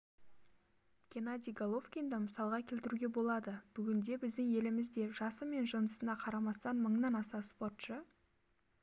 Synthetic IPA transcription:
kʲʰe̞nad̪ʲijɡolˠofkʲind̪əməsɑlˠʁɑkʲʰe̞lt̪ɪɾuɡʲe̞bo̞lˠɑd̪əb̥ʏɡʲɪnd̪e̞bɪzd̪ɪŋe̞lɪmɪzd̪e̞ʒɑsəme̞nʒənəsənɑqʰɑɾɑmɑst̪ɑnməɴnɑnɑsɑspo̞t̪ʃə

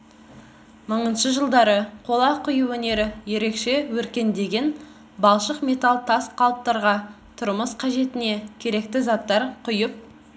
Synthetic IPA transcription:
məɴənʃəʒəlˠd̪ɑɾəqʰo̞lˠɑqʰʊjuwɵne̞ɾɪje̞ɾe̞kʃe̞wɵɾkʲe̞nd̪e̞ɡʲe̞n | bɑlˠʃəqmʲe̞t̪alˠt̪ʰɑsqʰɑlˠəp̚t̪ɑɾʁɑ | t̪ʰʊɾməsqʰɑʒe̞t̪ɪne̞kʲʰe̞ɾe̞kt̪ɪzɑt̪ːɑɾqʰʊjəp̚

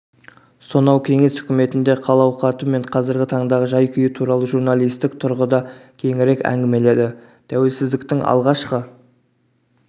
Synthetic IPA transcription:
sonɑwkʲʰe̞ŋe̞sʏ̥kʲɪme̞t̪ɪnd̪e̞qʰɑlˠɑwqɑt̪ume̞ɴqʰɑzɪɾɡʲɪt̪ʰɑɴd̪ɑʁəʒɑjkʲʰʏjɪt̪ʰuɾɑlˠəʒuɾnɑlˠijst̪ɪk̚t̪ʰʊɾʁəd̪ɑkʲʰe̞ŋɪɾe̞kæ̰ŋɡʲɪme̞le̞d̪ɪ | t̪ʰæwe̞lsɪzd̪ɪk̚t̪ɪŋɑ̰lˠʁɑʃqə

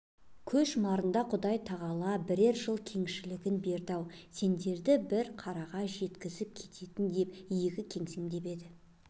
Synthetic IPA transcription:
kʲʰɵʃmɑɾənd̪ɑqʰʊd̪ɑjt̪ʰɑʁɑlˠɑbɪɾeɾʒəlˠkʲʰe̞ŋʃɪlɪɡʲɪnbe̞ɾd̪ɑwse̞nd̪e̞ɾd̪ɪbɪɾqʰɑɾɑʁɑʒe̞t̪kʲɪzɪp̚kʲʰe̞t̪e̞t̪ɪnd̪e̞pijɪɡʲɪkʲʰe̞ŋse̞ŋd̪e̞be̞d̪ɪ

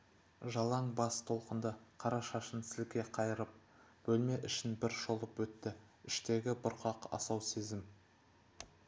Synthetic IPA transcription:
ʒɑlˠɑɴbɑst̪ʰo̞lˠqənd̪əqʰɑɾɑʃɑʃənsɪlkʲe̞qʰɑjəɾəp̚ | b̥ɵlme̞ʔɪʃɪnbɪɾʃo̞lˠəpwɵt̪ːɪ | ɪʃt̪e̞ɡʲɪbʊɾqɑqɑ̰sɑwse̞zɪm

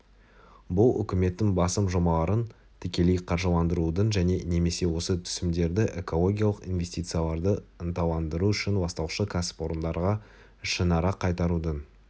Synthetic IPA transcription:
bʊlˠʏ̰kʲɪme̞t̪ːɪŋbɑsəmʒo̞mɑlˠɑɾən | t̪ʰʏkʲe̞lejqʰɑɾʒəlˠɑnd̪əɾud̪ənʒæne̞ne̞me̞se̞wo̞sət̪ʰʏ̥sɪmd̪e̞ɾd̪ɪʔe̞ko̞lˠo̞ɡʲijalˠəqḭnvʲe̞st̪it̪sɨjalˠɑɾd̪əənt̪ɑlˠɑnd̪əɾuʏʃɪnwɑst̪ɑwʃəkʰasɪ̥po̞ɾənd̪ɑɾʁɑ | ʃənɑɾɑqʰːɑjt̪ɑɾud̪ən

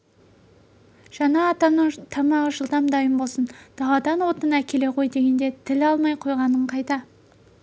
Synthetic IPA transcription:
ʒ̥ɑnɑːt̪ɑnəɴt̪ʰɑmɑʁəʒəlˠd̪ɑmd̪ɑjəmbo̞lˠsənd̪̥ɑlˠɑd̪ɑnwo̞t̪ənækʲʰe̞le̞qʰo̞jd̪eɡʲe̞nd̪e̞t̪ʰɪlɑlˠmɑjqʰojʁɑnəɴqʰɑjt̪ɑ

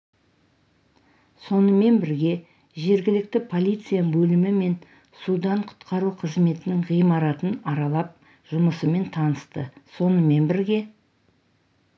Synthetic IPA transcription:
so̞nəme̞nbɪɾɡʲe̞ | ʒe̞ɾɡʲɪlɪk̚t̪ɪpʰo̞lʲˠijt̪sɨjabɵlɪmɪme̞n | sud̪ɑɴqʰʊ̥t̪qʰɑɾuqʰəzme̞t̪ɪnɪŋʁijmɑɾɑt̪ənɑɾɑlˠɑp̚ | ʒ̥ʊməsəme̞nt̪ʰɑnəst̪ə̰so̞nəme̞nbɪɾɡʲe̞

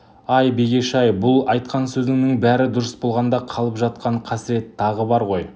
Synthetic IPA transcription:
ɑjbe̞ɡʲe̞ʃɑjbʊlˠɑjt̪qɑnsɵzd̪ɪŋnɪŋbæɾɪd̪ʊɾəsbo̞lˠʁɑnd̪ɑqʰɑlˠəpʒɑt̪qɑɴqʰɑsɪɾe̞t̪ʰːɑʁəbɑɾʁo̞j

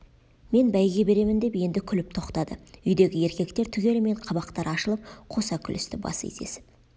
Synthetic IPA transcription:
me̞nbæjɡʲe̞be̞ɾe̞mɪnd̪e̞pje̞nd̪ɪkʲʰʏlɪp̚t̪ʰoqt̪ɑd̪əʏjd̪e̞ɡʲɪje̞ɾkʲe̞kt̪e̞ɾt̪ʰʏɡʲe̞lɪme̞ɴqʰɑβɑqt̪ɑɾɑʃəlˠəp̚qʰo̞sɑkʲʰʏlɪst̪ɪbɑ̰sḛzd̪ḛsɪ̥p̚

